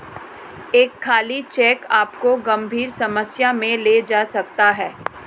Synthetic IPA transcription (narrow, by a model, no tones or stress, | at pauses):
eːkʰːaːlit͡ʃɛːkaːpkoɡɐ̃mbʱiːɾsɐməsjamẽled͡ʒaːsɐkt̪aɦɛː